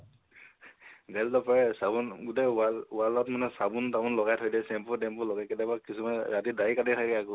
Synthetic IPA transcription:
ɡajldɔpaɹɛsabunɡut̬ewalwalatmanɛsabuntamʊnlɔɡajtʰojdɛsɛmpɔdɛmpʊlɔɡakɛdjabakisɔmaɹatidaikatitʰakɛaɡu

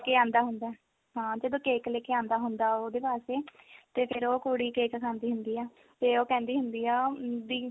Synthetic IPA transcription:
keːãːnd̪aːɦʊnd̪aɛː | ɦãːd͡ʒəd̪õːkeːkleːkeːãːnd̪aːɦʊnd̪aːoːd̪eːpaːseːt̪eːpʰɪɾoːkoːɽiːkeːkəsaːnd̪iːɦʊ̃nd̪iːɛː | t̪eːoːkɛ̃ːnd̪iːɦʊnd̪iːɛːd̪iː

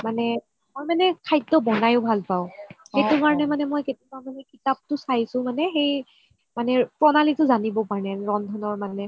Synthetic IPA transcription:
manɛ | mojmanɛkʰajtːɔbɔnajʊbʱalpaʊ̃xejtʊkaɹɔnɛmanɛmɔjketimamanɛkitap̚tʊsajsʊ̃manɛxej | manɛpɹɔnalitʊzanibɔpaɹnɛɹɔndʱɔnɔɹmanɛ

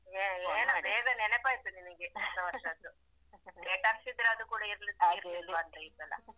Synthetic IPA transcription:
eeːnubeːɡɐnɛnɛpaːjt̪uninɐɡed̪ɐʋɐɾʂɐd̪u | eːʈaksid̪ɾeɐd̪ukuːɽɐiɾɐlisaːjiɾeɾɐluɐnt̪ɐid̪ːɐlːɐ̰

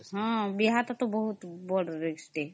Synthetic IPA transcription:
ɦɔ̃biɦat̪ɔt̪ɔbɔɦut̪bɔɽɔɾeksʈe

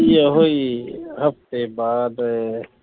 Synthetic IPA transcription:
jeɦoiɦɐft̪ebaːd̪

